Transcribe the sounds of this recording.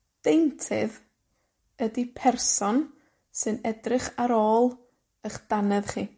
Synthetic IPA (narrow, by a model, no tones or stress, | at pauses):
d̥ejntʰɪ̰ð | ədipʰɛrsɔn | sɨnɛdrɪχaɾoːlˠ | əχd̥anɛðχiː